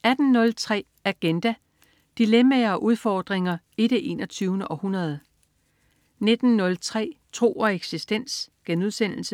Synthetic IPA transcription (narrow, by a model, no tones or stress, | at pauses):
æd̥n̩nɔ̽lt͡sʰʁɛ̰ː | æɡ̥end̥æ | d̥ilemæɐːʔuð̞ˠfɒːd̥ʁeŋɐe̝d̥eʔe̝̰nɒt͡sʰyːʊnəʔɒ̽hunɐð̞ˠə | ne̝d̥n̩nɔ̽lt͡sʰʁɛ̰ːt͡sʰʁo̝̰ːɒ̽eɡ̥sisd̥en̰sɡ̥enuð̞ˠsen̰l̩sə